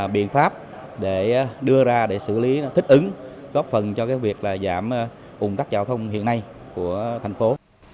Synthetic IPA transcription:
ɓḭ˧˨ənfaː˦˥p̚ | ɗe˧˩ɗɨ˧əzaː˧ɗe˧˩sɨ̰˧˩li˨˦t̪i˦˥k̟̚ʔɨ˨˦ŋɣɔ˦˥p̚fə˨˩nt͡ɕɔ˧kaː˨˦jvi˨˩ək̚laː˨˩zaː˧˩m˧ | ʔʊ˨˩ŋ͡mt̪aː˦˥k̚t͡ɕaː˧˩wt̪ʰə˧wŋ͡mhḭ˧˨ənːa˧jku˧˩ət̪ʰa˨˩jŋ̟fo˨˦

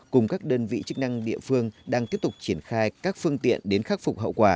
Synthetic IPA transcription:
kʊ˨˩ŋ͡mkaː˦˥k̚ɗəː˧nvḭ˧˨t͡ɕɨ˦˥k̚na˧ŋɗḭ˧˨əfɨ˧əŋɗaː˧ŋt̪i˦˥p̚t̪ʊ˨˩k͡p̚t͡ɕi˧˩ənxaː˧jkaː˦˥k̚fɨ˧əŋt̪ḭ˧˨ənɗe˨˦nxaː˦˥t̚fʊ˨˩k͡p̚ɦə̰˧˨wkwaː˧˩

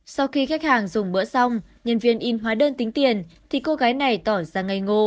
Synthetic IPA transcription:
sa˧wxi˧xa˦˥k̚haː˨˩ŋzʊ˨˧˩ŋ͡mɓə̰˧˥sa˧wŋ͡m | ɲə˨˩nvi˧˩ənʔi˧˩nɦwaː˨˦ɗəː˧nt̪ï˨˦ŋ̟t̪i˨˩ənt̪ʰi˨˩ko˧ɣaː˨˦jna˨˩jt̪ɔ˧˩zaː˧˩ŋa˨˩jŋo˧

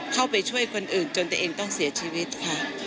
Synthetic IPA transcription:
kʰa˥˩wpa˧jt͡ɕʰu˥˩əjkʰo˧nʔɯː˨˩nt͡ɕo˧nt̪ːʔeː˧ŋt̪ɔ˥˩ŋsi˨˩˦ɐt͡ɕʰiː˧wi˦˥t̪̚kʰa˦˥

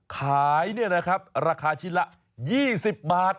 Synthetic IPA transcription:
kʰaː˩˦jni˥˩ɐna˦˥kʰɾa˦˥p̚ɾaː˧kʰaː˧t͡ɕʰi˦˥nla˦˥ʔ | jiː˥˩si˨˩p̚baː˨˩t̪̚

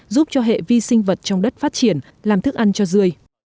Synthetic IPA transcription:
zu˦˥p̚t͡ɕɔ˧ɦḛ˧˨vi˧sï˧ŋ̟və˨˩t̚t͡ɕɔ˧wŋ͡mɗə˦˥t̚faː˦˥t̚t͡ɕi˧˩ən | laː˨˩mt̪ʰɨ˦˥k̚ʔa˧nt͡ɕɔ˧zɨ˧əj

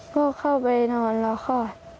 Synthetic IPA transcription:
bɔː˧˥˨kʰa˥˩wpa˧jnɔː˧˩nlɔ˧xʰɔː˧˩

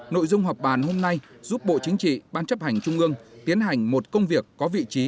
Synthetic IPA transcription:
no̰˧˨jzʊ˧ŋ͡mɦa˨˩p̚ɓaː˨˩nho˧mna˧jzu˦˥p̚ɓo̰˧˨t͡ɕï˨˦ŋ̟t͡ɕḭ˧˨ɓaː˧nt͡ɕə˦˥p̚ha˨˩jŋ̟t͡ɕʊ˧ŋ͡mʔɨ˧əŋt̪i˨˦ənɦa˨˩jŋ̟mo˨˩t̚kə˧wŋ͡mvi˨˩əkːɔ˨˦vḭ˧˨t͡ɕi˨˦

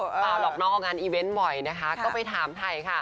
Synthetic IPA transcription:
ɔː˧˩dɔː˨˩k̚nɔː˥˩ŋʔɔː˨˩ŋaː˧nʔiː˧we˦˥nbɔ˨˩jna˦˥kʰa˦˥kɔː˥˩pa˧jt̪ʰaː˨˩˦mt̪ʰa˧jkʰa˥˩

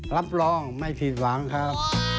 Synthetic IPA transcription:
ɾa˦˥p̚lɔː˧ŋma˥˩jpʰi˨˩t̪̚wa˩˦ŋkʰa˦˥p̚

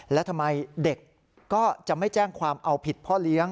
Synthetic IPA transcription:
lɛ˦˥wt̪ʰa˧mːa˧jde˨˩kː | ɔː˥˩t͡ɕa˨˩ma˥˩jt͡ɕɛː˥˩ŋkʰwaː˧mʔa˧wpʰi˨˩t̪̚pʰɔ˥˩li˦˥əŋ

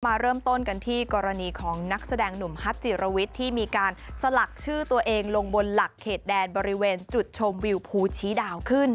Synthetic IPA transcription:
maː˧ɾɤː˥˩mt̪o˥˩nka˧nt̪ʰiː˥˩kɔː˧ɾa˧niː˧kʰɔː˩˦ŋna˦˥k̚sa˧dɛː˧ŋnu˨˩˦mha˦˥t̪̚t͡ɕi˨˩ɾa˧wi˦˥t̪ʰːiː˥˩miː˧kaː˧nsa˧la˨˩k̚t͡ɕʰɯː˥˩t̪u˧ɐʔeː˧ŋlo˧ŋbo˧nla˨˩kʰːeː˨˩t̪̚dɛː˧nbɔː˧ɾi˦˥weː˧nt͡ɕu˨˩t̪̚t͡ɕʰo˧mwi˧wpʰuː˧t͡ɕʰiː˦˥daː˧wkʰɯ˥˩n

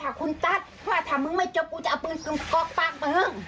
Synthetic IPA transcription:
t̪ʰaː˧˩kʰu˧nt̪a˧˥˩t̪̚pʰɔ˧˦waː˧˩t̪ʰaː˧˩mɯ˧˦ŋma˧˥˩jt͡ɕo˧p̚ku˧t͡ɕa˧ʔpɯː˧nkɯ˧ŋkɔː˧k̚paː˧˩ŋpa˧hɤ˧˩ŋ

